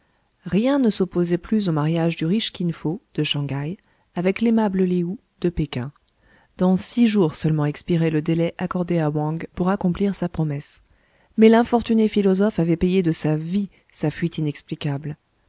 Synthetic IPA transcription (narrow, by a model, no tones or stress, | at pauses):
ʁjɛ̃nəsɔpozɛplyzomaʁjaʒd̪yʁiʃkʲinfod̪̥əʃɑ̃ɡaj | avɛklemabləleu | d̪̥əpekʲɛ̃ | d̪̥ɑ̃siʒuʁsœlmɑ̃ɛkspiʁɛləd̪elɛʔakɔʁd̪eawɑ̃ɡpuʁakɔ̃pliʁsapχɔmɛs | mɛlɛ̃fɔʁt̪ynefilɔzɔfavɛpejed̪əsavi | safɥit̪inɛksplikabl